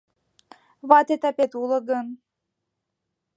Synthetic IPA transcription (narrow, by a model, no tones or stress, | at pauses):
βɑt̪et̪ɑpet̪ulɤ̆ɣən